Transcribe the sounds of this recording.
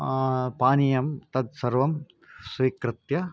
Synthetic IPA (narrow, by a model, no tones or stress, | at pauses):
paːnijɐmt̪ɐd̪̚sɐɾʋɐm | sʋiːkɾɪt̪jɐ